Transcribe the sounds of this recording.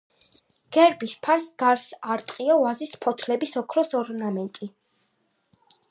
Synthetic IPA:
ɡ̥ɛɾbispʰaɾsɡ̥aɾsaɾt̪ʼqʼiɔvazispʰɔt̪ʰlɛbisɔkʰɾɔsɔɾnamɛnt̪ʼi

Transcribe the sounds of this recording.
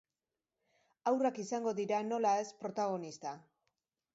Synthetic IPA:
awrakisaŋɡo̞ðiɾano̞lae̞spɾo̞t̪aɣ̞o̞nist̪a

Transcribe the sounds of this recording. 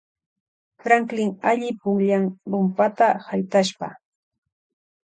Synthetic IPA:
fɾaŋklɪŋaʎɪpʊŋʎaŋɾʊmpat̪ahajt̪aʃpa̰

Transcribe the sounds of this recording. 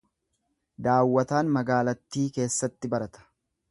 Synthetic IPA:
d̪aːwːɐt̪aːnmɐɡaːlɐt̪ːiːke̞ːsːɐt̪ːɪbɐɾɐt̪ɐ̥

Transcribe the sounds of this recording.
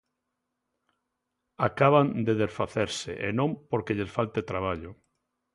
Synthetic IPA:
akaβand̪eðesfaθeɾsḛʔḛnõmpoɾkeʎesfalt̪et̪ɾaβaʎʊ

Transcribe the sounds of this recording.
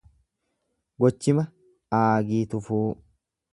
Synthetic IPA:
ɡɔt͡ʃːɪmɐ | aːɡiːt̪ʊfuː

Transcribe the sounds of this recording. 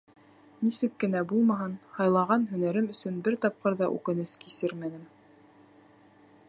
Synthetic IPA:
nisɘkːɘ̆næbulˠmɑɦɤnhɑjlˠɑʁɑnɦɵ̆næɾɘmɵ̆sɵnbɘɾt̪ɑp̚qɤɾðɑʔʉ̰kɘ̆nɘskisɘɾmænɘm

